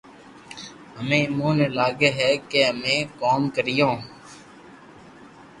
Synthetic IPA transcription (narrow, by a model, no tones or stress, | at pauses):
ɦəmẽːɪmõːneːlaːɡeːɦɛːkeːɦəmẽːkoːmkəɾɪjõː